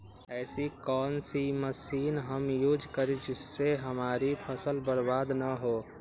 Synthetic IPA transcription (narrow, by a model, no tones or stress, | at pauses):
ɛːsikɔːnsiməsiːnɦəmjuːd͡ʒkəɾid͡ʒɪsːeɦəmaːɾipʰəsəlbəɾbaːd̪nəɦoː